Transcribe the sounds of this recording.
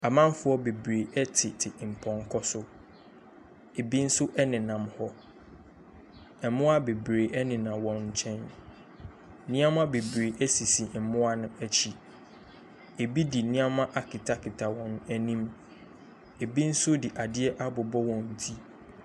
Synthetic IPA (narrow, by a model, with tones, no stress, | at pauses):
a˨mã˦m˦fʊ˦ɔ˦be˨bɾe˨ʔɛ˦tʰɪ˨tʰɪ˨m̩˨pʰɔ̃˨ŋ˦kʰɔ˦sʊ˦ | e˨bi˦n̩˦sʊ˦ʔɛ˦nɪ̃˨nã˨mhɔ˦ | ɛ˨˦mʊ̃˦a˦be˨bɾe˨ʔɛ˦nɪ̃˨nã˨wɔ̃˨nɲ̩˨t͡ɕʰɛ̃˦n | nĩ˦ã˦mã˦be˨bɾe˨ʔæ˦si˨si˨m̩˨mʊ̃˦a˨nʊ̃˦æ˨t͡ɕʰi˦ | e˨bi˦di˨nĩ˦ã˦mã˦ʔa˨kʰɪ˨tʰa˦kʰɪ˨tʰa˨wɔ̃˨næ˨nĩ˦m | e˨bi˦n̩˦sʊ˦di˨ʔa˨dɪ˦ɛ˦ʔa˦bʊ˨bɔ˦wɔ̃˨n̩˨tʰi˦